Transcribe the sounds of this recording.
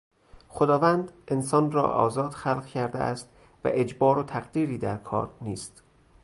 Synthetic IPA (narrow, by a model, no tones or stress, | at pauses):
xod̪ɒːvænd̪ʔe̞nsɒːnrɒ̰ːʔɒ̰ːzɒːd̪̥xælʁcʰæɾd̪eʔæ̰st̪ | væ̰ʔed͡ʒbɒːɾot̪ʰæɣd̪iːɾiːd̪æɾkʰɒ̰ːɾniːst̪